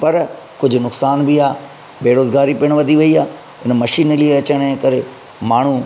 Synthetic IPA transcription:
pɐɾ | kʊd͡ʑʱʊnʊksaːnbɪaː | beːɾoːzɡaːɾipiːɽ̃ʋɐd̪ʱiʋɐiaː | ɪnmɐʃiːnlieɐt͡ɕəɽ̃ẽkɐɾe | maːɳ̤u

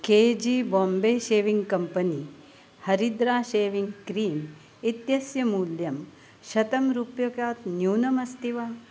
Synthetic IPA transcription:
keːd͡ʒiːboːmbeːʃeːʋiŋɡkɐmpɐni | hɐɾid̪ɾaːʃeːʋiŋɡkɾiːm | it̪jɐsjɐmuːljɐm | ʃɐt̪ɐmɾupjɐkaːt̪njuːnɐmɐst̪iʋaː

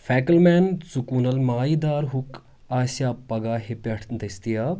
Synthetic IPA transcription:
fɛːkəlmɛːnsukuːnɐlmaːid̪aːɾɦuk | aːsaːpɐɡaːɦepeʈʰd̪ɐst̪ijaː

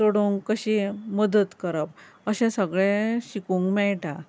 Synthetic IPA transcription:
toɽuŋkkəɕeməd̪ət̪kəɾəp | əɕɛ̃səɡɭẽɕikuŋkmɛɭʈa

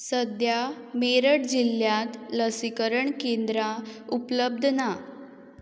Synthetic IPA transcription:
səd̪ja | meɾəʈd͡ʑilːjãt̪ləsikəɾəɳkend̪ɾaupləb̚d̪ʱna

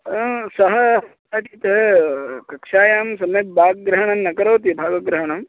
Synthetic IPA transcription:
sɐɦɐɦɐt̪aːʈiːt̪ɐɦɐkɐkʂaːjaːmsɐmɐbaːɡɡɾɐɦɐɳɐmːɐkɐɾoːt̪ibʱaːɡʋɐɡɾɐɦɐɳɐm

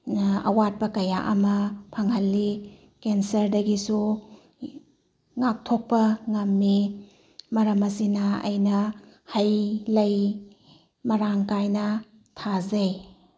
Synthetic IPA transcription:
ɐ̰wat̚pɐkɐjaʔɐ̰mɐpʰɐŋhɐlːi | kensɐɾdɐɡisu | ŋak̚tʰok̚pɐŋɐmːi | mɐɾɐmɐsinaɐ̰jnɐ | hɐjlɐj | mɐɾaŋkajnɐ | tʰazɐj

